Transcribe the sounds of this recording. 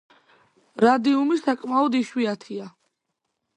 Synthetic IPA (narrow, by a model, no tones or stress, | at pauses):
ɾad̪iumisakʼmaɔd̪iʃwiat̪ʰia